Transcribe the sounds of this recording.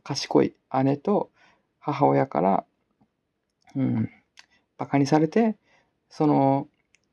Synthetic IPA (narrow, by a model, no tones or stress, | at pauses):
kaɕi̥ko̞̰ḭ | ane̞t̪o̞ | haɦao̞jaka̰ɾa̰ | ɯ̟̃ɴ | b̥akaɲ̟isaɾe̞t̪e̞ | so̞no